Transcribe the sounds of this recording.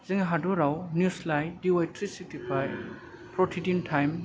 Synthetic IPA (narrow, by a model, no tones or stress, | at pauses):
z̥iŋɦaduɾawnjuslajdiwajtʰɾisik̚tipʰaj | pɾɔtʰidintʰajm